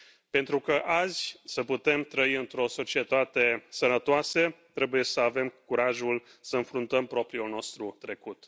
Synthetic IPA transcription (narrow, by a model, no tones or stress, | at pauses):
pe̞nt̪ɾukəʔazʲsəput̪e̞mt̪ɾəiɨnt̪ɾo̞so̞t͡ʃie̞t̪at̪e̞sənət̪oaset̪ɾe̞buje̞səave̞mkuɾaʒulsəɨnfɾunt̪əmpɾo̞pɾiulno̞st̪ɾut̪ɾe̞kut̪